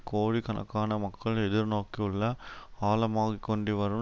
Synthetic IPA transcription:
koːɻikɐnɐ̰kːaːnɐmɐkːɐɭɛðɪɾnoːkːiʊɭːɐaːlɐmaːɣikːɔɳɖiʋɐɾɯ

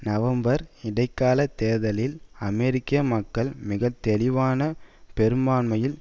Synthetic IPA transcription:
nɐʋɐmbɐɾɪɽɐɪkːaːlɐt̪eːðɐlɪlɐmɛɾɪkːɪɐmɐkːɐɭmɪɣɐt̪ːɛlɪʋaːnɐpɛɾɯmaːnmɐjɪl

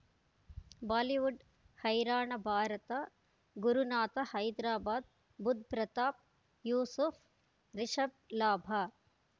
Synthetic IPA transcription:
baːliʋuɖ | hɐjɾaːɳɐbʱaːɾɐt̪ɐ | ɡuɾunaːt̪ɐhɐjd̪ɾaːbaːd̪ | bud̪̚ʱpɾɐt̪aːp̚ | juːsuf | ɾiʃɐb̚laːbʱɐ

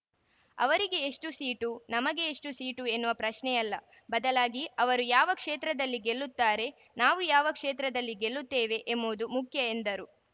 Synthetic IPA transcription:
ɐ̰ʋɐɾiɡe̞ːʂʈusiːʈunɐmɐɡe̞ːʂʈusiːʈue̞nːuʋɐpɾɐʃɳɛjɐlːɐ | bɐd̪ɐlaːɡiɐʋɐɾujaːʋɐkʂeːt̪ɾɐd̪ɐlːiɡelːut̪ːaːɾe̞ | naːʋujaːʋɐkʂeːt̪ɾɐd̪ɐlːiɡe̞lːut̪ːeːʋe̞ʔemboːd̪umukʰjɐe̞nd̪ɐɾu

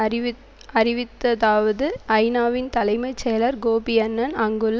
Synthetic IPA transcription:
ɐɾɪʋɪt̪ːɐðaːʋɐðɯɐɪnaːʋɪnt̪ɐlɐɪmɐɪt͡ʃːɛjɐlɐɾɡoːbɪjɐnːɐnɐŋɡɯl

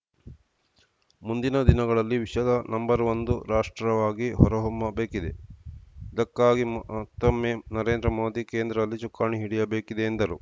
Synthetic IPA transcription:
mund̪inɐd̪inɐɡɐɭɐlːiʋiʃɐd̪ɐnɐmbɐɾʋond̪uɾaːʂʈɾɐʋaːɡiɦɔɾɐɦumːɐbeːkid̪e̞ | id̪ɐkːaːɡimt̪ːɐmːeːnɐɾe̞ːnd̪ɾɐmo̞ːd̪ikeːnd̪ɾɐd̪ɐlːit͡ʃukːaːɳiɦiɽijɐbeːkid̪eːnd̪ɐɾu

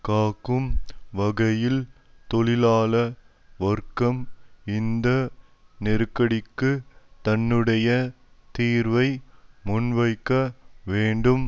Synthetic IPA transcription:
kaːkːɯmʋɐɣɐjɪl | t̪ɔɭɪlaːlɐ | ʋɐrkɐmɪnd̪ɐ | nɪɾɯkːɐɽɪkːɯt̪ɐnːɯɽɐjɐ | t̪iːɾʋɐɪmʊnʋɐɪkːɐʋeːɳɖɯm

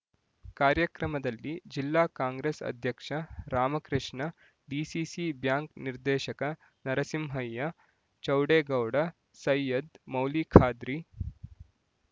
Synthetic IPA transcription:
kaːɾjɐkɾɐmɐd̪ɐlːid͡ʒilːaːkaːŋɡɾeːsɐ̰d̪ʱjɐkʂɐɾaːmɐkɾɪʂɳɐ | ɖiːsisibjaːŋkniɾd̪ɛːʃɐkɐ | nɐɾɐsimɦɐjːɐ | t͡ʃɐwɽeːɡɐwɽɐ | sɐjɐd̪mɐwliːkʰaːd̪ɾi

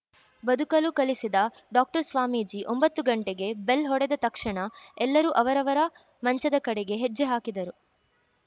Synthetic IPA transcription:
bɐd̪ʱukɐlukɐlisid̪ɐ | ɖaːk̚ʈɐɾsʋaːmiːd͡ʒiʔombɐt̪ːuɡɐɳʈeɡe̞belɦɔɽɛd̪ɐt̪ɐkʂɐɳɐɛlːɐɾuʔɐʋɐɾɐʋɐɾɐ | mɐɲt͡ʃɐd̪ɐkɐɽeɡe̞ɦed͡ʒːeɦaːkid̪ɐɾu

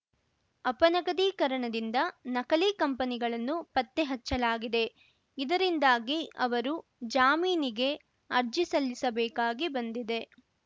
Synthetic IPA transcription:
ɐpɐnɐɡɐd̪iːkɐɾɐɳɐd̪ind̪ɐnɐkɐliːkɐmpɐniɡɐɭɐnːupɐt̪ːeɦɐt͡ʃːɐlaːɡid̪e̞ | id̪ɐɾind̪aːɡiɐʋɐɾud͡ʒaːmiːniɡe̞ | ɐɾd͡ʒisɐlːisɐbɛːkaːɡibɐnd̪id̪e̞

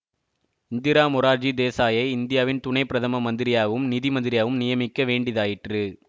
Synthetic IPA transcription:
ɪnd̪ɪɾaːmʊɾaːɾd͡ʒid̪eːsaːjɐɪɪnd̪ɪjaːʋɪnt̪ʊɳɐɪpːɪɾɐðʰɐmɐmɐnd̪ɪɾɪjaːʋɯmnɪðimɐnd̪ɪɾɪjaːʋɯmnɪjɐmɪkːɐʋeːɳɖɪðaːjɪʈrɯ

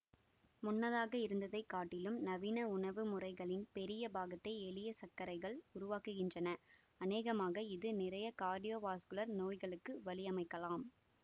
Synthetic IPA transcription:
mʊnːɐðaːɣɐɪɾɯnd̪ɐðɐɪkːaːʈːɪlɯmnɐʋiːnɐʊɳɐʋɯmʊrɐɪɣɐɭɪnpɛɾɪjɐbaːɣɐt̪ːɐɪɛɭɪjɐsɐkːɐɾɐɪɣɐɭʊɾʊʋaːkɯɣɪndrɐnɐ | ɐneːɣɐmaːɣɐɪðɯnɪrɐjɐkaːɾɖijoːʋaːskɯlɐɾnoːjɣɐɭɯkːɯʋɐɭɪjɐmɐɪkːɐlaːm

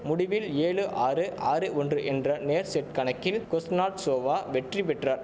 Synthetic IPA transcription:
mʊɽɪʋɪleːɭɯʔaːɾɯʔaːɾɯʔɔndrɯʔɛndrɐneːɾsɛʈ̚kɐnɐkːɪlkɔsnaːʈsoːʋaːʋɛʈripɛʈraːɾ

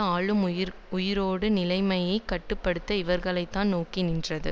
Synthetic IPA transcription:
aːɭɯmʊjɪɾoːɽɯnɪlɐɪmɐjɐɪkːɐʈːɯpːɐɽɯt̪ːɐɪʋɐɾɣɐɭɐɪt̪ːaːnnoːkɪnɪndrɐðɯ̰

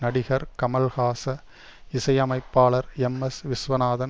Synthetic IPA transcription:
nɐɽɪɣɐɾkɐmɐlɣaːsɐ | ɪsɐjɐmɐɪpːaːɭɐɾɛmɐsʋɪsʋɐnaːðɐn

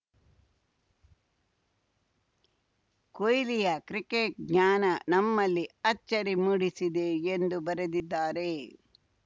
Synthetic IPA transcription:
kojlijɐkɾikeʈ̚ɡɲaːnɐnɐmːɐlːiɐt͡ʃːɐɾimuɽisid̪e̞ːnd̪ubɐɾed̪id̪ːaːɾe

